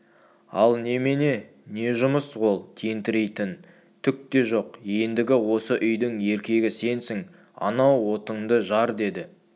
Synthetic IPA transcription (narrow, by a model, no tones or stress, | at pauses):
ɑlˠne̞mene̞ | ne̞ʒʊməswo̞lˠt̪ʰejɪnt̪ɪɾe̞jt̪ɪn | t̪ʰʏk̚t̪e̞ʒo̞qje̞nd̪ɪɡʲɪwo̞səʔʏjd̪ɪŋe̞ɾkʲe̞ɡʲɪse̞nsɪŋ | ɑ̰nɑwːo̞t̪əɴd̪əʒɑɾd̪e̞d̪ɪ